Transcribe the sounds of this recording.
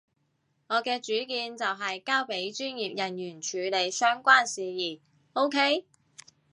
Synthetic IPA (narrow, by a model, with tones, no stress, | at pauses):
ŋɔː˨˧kɛː˧t͡ʃyː˨˥kiː˧nt͡sɐ˨wɦɐ˨jkaː˥wpe˨˥jt͡ʃyː˥njiː˨p̚jɐ˨˩njyː˨˩nt͡ʃʰyː˨˧le˨˧jsœː˥ŋkʷaː˥nsiː˨jiː˨˩ | o˥wkʰe˥j